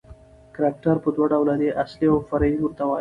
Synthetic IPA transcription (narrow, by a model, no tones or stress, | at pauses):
kɾak̚ʈaɾpəd̪waɖawlad̪eʔasliawfaɾajimuɾt̪awa